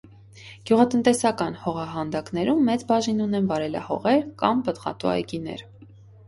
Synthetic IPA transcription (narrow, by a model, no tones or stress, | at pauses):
ɡ̥juʁɑt̪ənt̪ɛsɑkɑnhɔʁɑɦɑnd̪ɑknɛɾumːɛt͡sbɑʒinunɛnvɑɾɛlɑ̰hɔ̰ʁɛɾkɑmbət̪ʁɑ̰t̪uɑ̰jkinɛ̰ɾ